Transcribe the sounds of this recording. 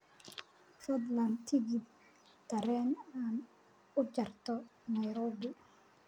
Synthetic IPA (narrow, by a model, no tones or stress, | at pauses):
fɔd̪lɐnt̪ʰɪɡid̪̚ | t̪ːɐɾɛːnaːn | ʊt͡ʃɐrt̪ʰɔnɐjɾɔːbi